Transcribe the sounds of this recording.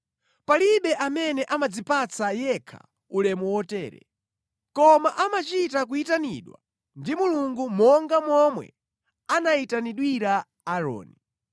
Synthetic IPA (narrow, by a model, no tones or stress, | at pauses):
paliɓɛʔamɛnɛʔamad͡zipat͡sajɛkʰa̰ | ulɛmuwɔtɛːɾɛ̰ | kɔmaʔamat͡ʃitak̬uitanḭɗwa | ndimuluŋɡumɔŋɡamɔmwɛ̰ | anaitaniɗwiɾaː | ɾɔ̰ːni